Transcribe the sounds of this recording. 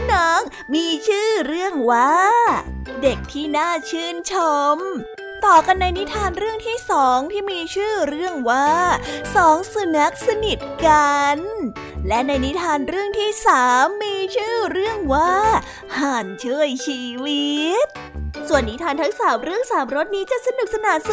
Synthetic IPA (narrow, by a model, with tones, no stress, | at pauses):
nɔ˦˥ŋ | miː˧t͡ɕʰɯː˥˩ɾɯ˥˩əŋwaː˥˩ | de˨˩k̚t̪ʰiː˥˩naː˥˩t͡ɕʰɯː˥˩nt͡ɕʰo˧m | t̪ɔː˨˩ka˧nːa˧jni˦˥t̪ʰaː˧nɾɯ˥˩əŋt̪ʰiː˥˩sɔː˩˦ŋt̪ʰiː˥˩miː˧t͡ɕʰɯː˥˩ɾɯ˥˩əŋwaː˥˩sɔː˩˦ŋsa˧na˦˥k̚sa˧ni˨˩t̪̚ka˧n | lɛ˦˥na˧jni˦˥t̪ʰaː˧nɾɯ˥˩əŋt̪ʰiː˥˩saː˩˦mːiː˧t͡ɕʰɯː˥˩ɾɯ˥˩əŋwaː˥˩ | haː˨˩nt͡ɕʰɯ˥˩əjt͡ɕʰiː˧wi˦˥t̪̚ | su˨˩ənːi˦˥t̪ʰaː˧nt̪ʰa˦˥ŋsaː˩˦mɾɯ˥˩əŋsaː˩˦mɾo˦˥t̪̚niː˦˥t͡ɕa˨˩sa˧nu˨˩k̚sa˧naː˩˦ns